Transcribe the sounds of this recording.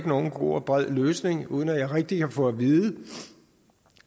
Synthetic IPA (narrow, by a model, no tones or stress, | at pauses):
ɡ̥əno̝ːn̩ɡ̥ʁo̝̰ːɒb̥ʁað̰ˠløːsne̝ŋuːð̞ˠən̩æjɑ̈ʁeɡ̥̚d̥ikʰæfɔ̽æʋiːðˠə